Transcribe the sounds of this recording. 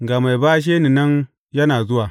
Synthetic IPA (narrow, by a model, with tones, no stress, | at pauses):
ɡa˨ma˨jbaː˦ʃ̬eː˦ni˨nɐ˦n | jɐ˦naː˨zʊ˦waː˨